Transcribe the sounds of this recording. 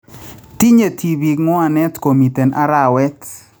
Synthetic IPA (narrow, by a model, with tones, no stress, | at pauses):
ti˦ɲe˨tʰi˨bi˨kŋɔ˦a˨nɛ˦tko˨mi˨tɛ˨nʔa˦ɾa˨wɛ˦t